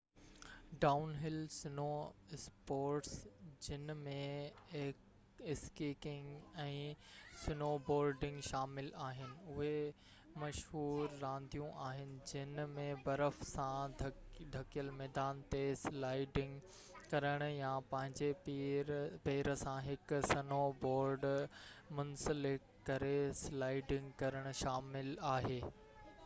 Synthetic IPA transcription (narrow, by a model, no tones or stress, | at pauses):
ɖaːʊnɦɪlsɪnoːspoːɾʈsd͡ʑɪnmẽk | ɪskiːkɪ̃ŋɡɛ̃ːsɪnoːboːɾɖɪ̃ŋɡʃaːmɪlaːɦɪnɪ̆ʊɦe | mɐʃɦuːɾːãːnd̪ʱijũʔaːɦɪnɪ̆d͡ʑɪnmẽbɐɾəfsãdʱd̪ʱɐkijəlmɛːd̪aːnt̪eslaːɪɖɪ̃ŋɡ | kɐɾəɽ̃ʊjãpɐ̃ɦɪ̃ɲd͡ʑe | peːɾəsãɦɪksɐnoboːɾɖmʊnsəlɪkːɐɾeslaːɪɖɪ̃ŋɡkɐɾəɽ̃ʊ̆ʃaːmɪlaːɦeː